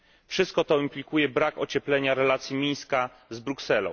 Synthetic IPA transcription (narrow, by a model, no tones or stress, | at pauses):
fʂɘst̪̚kɔt̪ɔimplʲikujɛbɾakɔt͡ɕɛplɛɲaɾɛlat̪sʲjimʲij̃ska | zbɾuksɛlɔ̰̃w̃